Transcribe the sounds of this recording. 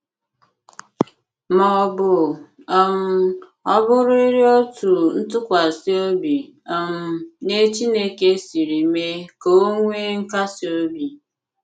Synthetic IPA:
mɔ˦˨bʊ˨ | ɔ˦m̩˦ | ɔ˦bʊ˦ɾʊ˦i˦ɾi˦o˦tu˨n̩˦tʊ˦kʷa˨si˦o˦bi˨ɔ˦˨m̩˦ne˦t͡ʃi˦ne˦ke˦si˨ɾi˨me˦ko˦o˦ŋʷe˦ŋ̩˦ka˦si˨˦o˦bi˨

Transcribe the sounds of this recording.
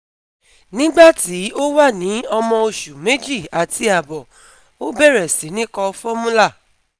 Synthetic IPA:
nĩ˦ɡ͡ba˦˨ti˨˦o˦wa˦˨nĩ˨˦ɔ˧mɔ̃˧o˧ʃu˨me˨˦d͡ʒi˦˨a˨ti˧a˨bɔ˨ | o˦bɛ˦˨ɾɛ˨si˨˦nĩ˦kɔ˧fɔ˦mũ˦la˦˨

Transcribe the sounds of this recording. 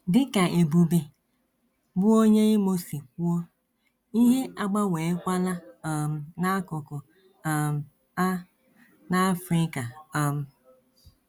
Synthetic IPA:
dɪ˦ka˨e˨bu˨be˨ | bʊ˦o˦ɲe˦i˦mo˦si˨k̚u˦ɔ˦ | i˦ɦe˦ʔa˦ɡ͡ba˦weː˨˦kʷa˦la˦˨m̩˨na˦kʊ˨kʊ˨ | m˨˦ | na˦a˦fɾɪ˦ka˨a˨m̩˨

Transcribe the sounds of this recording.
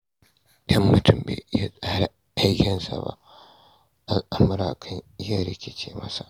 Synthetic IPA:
ʔɐ˦mːʊ˦tʊ˨mbḛː˨jaː˦sʼaː˦ɾa˨ | ʔa˦jkʲɪ˨nsa̰˨ba̰˦ʔ | ʔa˦lʔa˨mʊ˦ɾa˨kʰɐ˦ɲ˦ja˦˨ɾe˦kʲe˨t͡ʃe˦mɐ˦sa˨ʔ

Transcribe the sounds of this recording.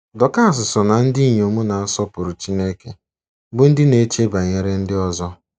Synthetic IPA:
dɔ˨ka˦a˨s̬ʊ˨sɔ˨na˨n̩˦di˦˨ɲ˨o˨mu˦na˨a˦sɔ˦pʊ˨ɾʊ˨t͡ʃi˦ne˦ke˨ | bʊ˦n̩˦dɪ˦ne˨˦t͡ʃe˦ba˨ɲe˨ɾe˦n̩˦dɪ˦ɔ˦zɔ˦

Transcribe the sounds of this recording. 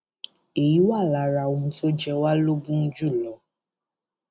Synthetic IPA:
e˨ji˨˦wa˦˨la˨˧˦ɾa˧˨õ˨˦˧fo˦d͡ʒɛ˧wa˦lo˦ɡũ˦n̩˦d͡ʒu˦˨lɔ˨˦

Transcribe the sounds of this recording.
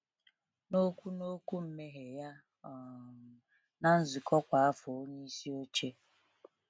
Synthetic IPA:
no˦kʷu˦no˦ku˦m̩˦me˦ɦe˨ja˦ | ɔ˨ | na˨n̩˦zɪ˨kʰɔ˦kʷa˨a˦fɔ˨o˦ɲe˦i˦si˦o˦t͡ʃe˦

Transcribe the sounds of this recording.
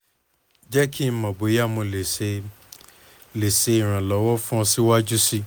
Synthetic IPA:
d͡ʒɛ˦kʰi˦mã˨bo˨˦ja˦˨mõ˧le˨˧ | le˨se˧i˨ɾ̃ã˨lɔ˨˦wɔ˦fũ˦ɔ̃˧si˦wa˦d͡ʒu˦si˦

